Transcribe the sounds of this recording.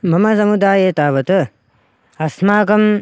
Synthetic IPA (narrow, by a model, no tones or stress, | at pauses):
mɐmɐsɐmud̪aːjeːt̪aːʋɐt̪ɐ | ɐsmaːkɐm